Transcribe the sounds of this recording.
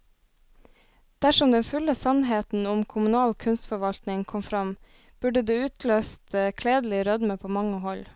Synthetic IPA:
d̪̥æʃɔmd̪ɛnfʉləsɑnɦeːt̪n̩ʊmkʰʊmʉnɑːlkʰʉnst̪fɔɾʋɑlt̪nɪŋkʰɔmfɾɑm | b̥ʉɖəd̪eːʉːt̪løːst̪kʰleːd̪l̩ɪɾœd̪məpʰoːmɑŋːəɦɔl

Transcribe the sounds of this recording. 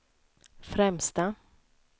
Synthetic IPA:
fɾɛmst̪a

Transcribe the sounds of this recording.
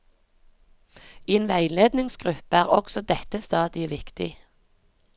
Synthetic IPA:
eːnʋæɪleːd̪nɪŋsɡʁʉpəæːʁɔksɔd̪ɛt̪əst̪ɑːd̪ɪʋɪkt̪ɪ̰

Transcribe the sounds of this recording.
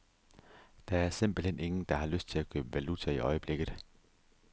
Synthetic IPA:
d̥ɑ̈æɐsem̰b̥l̩hen̰ʔe̝ŋn̩d̥ɑ̈hɑ̈løsd̥̚t͡sʰe̝lækʰø̰ːb̥əʋælut͡sʰæiʔɒ̽ɪəb̥le̝ɡ̥ð̩ˠ

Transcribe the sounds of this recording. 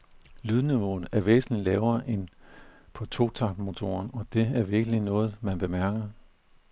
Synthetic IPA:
lyðˠniʋo̝̰ð̩ˠæɐʋḛːsn̩lilɛːʊɐːʔe̝npʰɒ̽t͡sʰo̝̰t͡sʰɑ̥mo̝t͡sʰo̝̰ːɐnɒ̽d̥e̝æɐʋiɐɡ̥əlinɔ̽ːð̞̩ˠmænb̥e̝mæɐɡ̥ɐ

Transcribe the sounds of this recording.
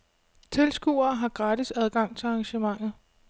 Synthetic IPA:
t͡sʰe̝lsɡ̥ṵːɐːɦɑ̈ɡ̥ʁɑ̈ːdisæð̞ˠɡ̥ɑ̈ŋ̰t͡sʰe̝lɑ̈ŋɕəmɑ̈ŋ̰ð̩ˠ

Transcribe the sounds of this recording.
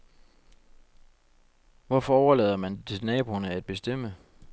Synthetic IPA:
ʋɒfɒɒʊɐlɛ̰ːð̞ˠɐmændʰenɛːb̥ʁonəæd̥̚b̥e̝sd̥em̰ə

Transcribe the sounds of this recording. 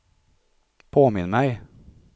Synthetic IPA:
pʰoːmɪnəmæɪ

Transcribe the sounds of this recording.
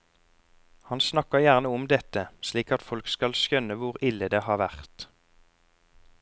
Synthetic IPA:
hɑnsnɑkəjæʁnəɔmd̪ɛt̪əsliːkɑt̪fɔlkskɑlsjœnəʋʊʁɪləd̪eːhɑːʋæʁt̪

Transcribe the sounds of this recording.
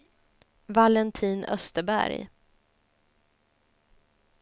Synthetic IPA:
valɛnt̪ʰiːnœ̰st̪əbæ̰ɾj

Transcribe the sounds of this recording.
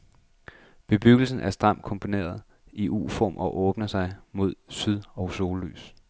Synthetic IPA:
b̥e̝b̥yɡ̥l̩sn̩ʔæɐsd̥ʁɑ̈m̰d̥̚kʰɒ̽mpʰo̝ne̝̰ːɐð̞̩ˠ | iʔṵːfɒ̰ːmʔɒ̽ʔɔ̽ːb̥nɐsɑ̈ɪmo̝ð̞̰ˠsyðˠɒ̽ʊso̝ːlːy̰ːs

